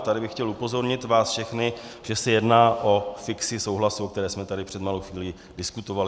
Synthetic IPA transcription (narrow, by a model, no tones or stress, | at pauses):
t̪adɪbɪxcɛlupo̞zo̞ɾɲɪt̪vaːsfʃɛxnɪʒ̥ɛsɛjɛdnaːʔo̞fɪksɪsowɦlasuok̚t̪ɛɾɛːsmɛt̪adɪpr̝̥ɛd̪malowxviːliː | dɪskut̪o̞valɪ